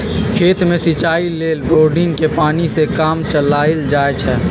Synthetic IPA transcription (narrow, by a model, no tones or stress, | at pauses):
kʰeːt̪mẽsit͡ʃaːileːlɾoːɖɪ̃ŋkepaːnisekaːmt͡ʃəlaːɪld͡ʒaːet͡ʃʰɛ